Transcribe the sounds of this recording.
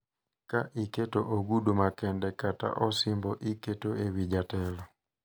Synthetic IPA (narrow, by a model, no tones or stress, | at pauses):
kaʔiketoʔoɡudumakɛndɛkata̰ʔɔsɪmbɔʔiketoewid͡ʒatɛlɔ